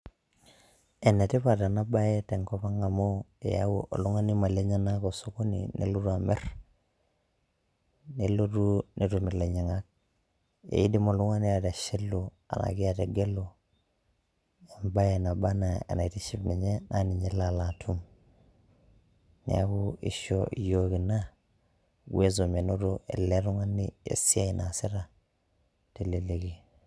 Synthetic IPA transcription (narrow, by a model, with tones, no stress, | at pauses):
e˨nːe˨ti˦pa˨ta˨na˦ba˦je˦te˨ŋko˦pa˦ŋa˨mo˦ḛ˨ja̰wu˦ʔo̰˨lu˦ŋa˦ni˦ma˨le˦ɲa˦na˦ko˨so˦ko˦nḭnʔḛ˦lu˦ɾuamḛ˦r | nelo˦tu˦nʔe˨tu˨mi˨le˨ɲe˨ŋak̚ | ḛ˨i˦di˦mo˨lu˦ŋa˦ni˦ja˨ta˨ʃi˦lːu | a̰˨na̰˨ki˦a˨te˨ɡe˦lo | e˨mba˦je˨na˨ba˦na˨a̰˨na˨i˨ti˦ʃi˦bni˨ɲe˦nʔani˨ɲe˦la˨la˨tʰu˦m | nḭ˨a̰˦ɡu˦ḭ˦ʃojo˦ɡi˨na˦ | ɡwe˦zo˨me˨no˦ɾo˦ʔḛ˨le˦ɾu˦ŋa˦nːiḛ˨si˦a˦i˨nʔa˨si˦ɾa˨ | te˨le˨le˨ɡi˨